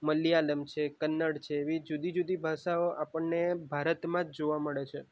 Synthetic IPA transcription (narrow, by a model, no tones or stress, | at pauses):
məlialəmt͡ʃʰekənːəɽt͡ʃʰeːʋid͡ʒud̪id͡ʒud̪ibʱaʃaoʔapəɳnebʱaɾət̪mãd͡ʒd͡ʒoʋaməɭet͡ʃʰe